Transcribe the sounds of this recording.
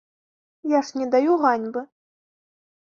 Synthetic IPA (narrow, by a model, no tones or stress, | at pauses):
jaʂnʲɛd̪ajuɣanʲbɨ